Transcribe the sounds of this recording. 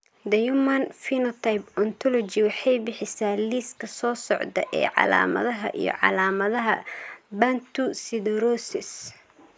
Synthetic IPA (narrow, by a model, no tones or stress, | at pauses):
d̪ɐjumɐnfinɔt̪ʰɐjbɔnt̪ʰɔlɔt͡ʃiwɑħɑjbɪħɪsaːliːskʰɐsɔːsɔʕd̪ɐʔɛ̰ːʕɑ̰la̰ːmɐ̰ðɐɦɐʔḭjɔ̰ʕɑ̰laːmɐðɐɦɐbant̪usɪd̪ɛɾɔsɪs